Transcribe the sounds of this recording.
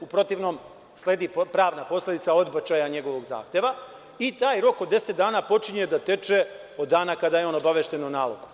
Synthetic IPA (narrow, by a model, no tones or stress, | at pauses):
upɾo̞t̪iʋnoːm | sle̞ːd̪ipɾaːʋnapo̞slˠe̞d̪it̪sao̞d̪bat͡ʃajaɲe̞ɡo̞ʋo̞ɡza̰ːxt̪e̞ʋa | it̪aːjɾo̞kod̪ːe̞set̪̚d̪aːnaːpo̞t͡ʃiɲed̪at̪e̞t͡ʃe | od̪ːaːnakad̪ajeo̞ːno̞baʋeʃt̪e̞nonaːlo̰ɡu̥